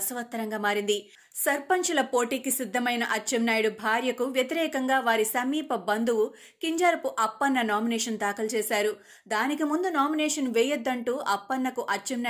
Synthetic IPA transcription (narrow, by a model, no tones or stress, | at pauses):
sɐʋɐt̪ːɐɾɐŋɡaːmaːɾind̪i | sɐɾpɐɲt͡ʃɐlɐpo̞ːʈiːkisid̪ʱːɐmɐjnɐʔɐt͡ʃːɐmnaːjɽubʱaːɾjɐkuʋjɐt̪iɾɛːkɐŋɡaːʋaːɾisɐmiːpɐbɐnd̪uwu | kiɲd͡ʒaːɾɐpuʔɐpːɐnːɐnaːminɛːʂɐnd̪aːkɐlt͡ʃɛːsaːɾu | d̪aːnikimund̪unaːminɛːʂɐnʋɛːjɐd̪ːɐɳʈuːʔɐpːɐnːɐkuʔɐt͡ʃːɛmna